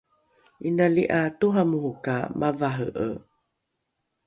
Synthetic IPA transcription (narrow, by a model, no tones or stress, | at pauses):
inaliʔatuɦamuɦukamʔavaɦəʔə̰